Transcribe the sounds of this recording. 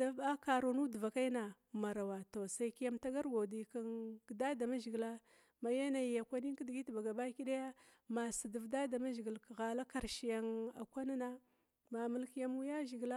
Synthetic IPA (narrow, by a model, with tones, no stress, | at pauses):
da˦ba˦ka˨ɾo˨nu˦dva˨ka˦i˦na˨ | ma˨ɾa˨wa˨to˨sa˦ki˦ja˦mta˦ɡa˦ɾɡʷo˨di˨ka˦nɡda˦da˨ma˦ʒi˨ɡla˦ | ma˨ja˦na˨jja˨kʷa˦ni˦ŋ˦ki˦di˨ɡi˦tba˨ɡa˨ba˦ki˦ɗa˦ja˦ | ma˨si˨də˨vda˦da˨ma˦ʒi˨ɡi˨lɣa˨la˦ka˨ɾʃi˨ja˨ŋa̰˨kʷa˦na˦na˦ | ma˨mə˦lki˦ja˦mu˦ja˦ʒi˨ɡla˦